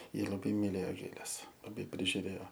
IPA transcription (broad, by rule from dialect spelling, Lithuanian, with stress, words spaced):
ˈjɪ lˠɐˈbɐɪ mʲɪˈlʲeːjoː ˈɡʲeːlʲɛs lˠɐˈbɐɪ pʲrʲɪʒʲʊˈrʲeːoː